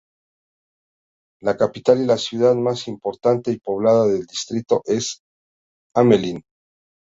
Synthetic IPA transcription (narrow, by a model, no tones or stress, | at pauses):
lakapit̪alilasjuðaðmasimpo̞ɾt̪ant̪e̞ipo̞βlaðaðe̞ld̪ist̪ɾit̪o̞ʔe̞s | amelin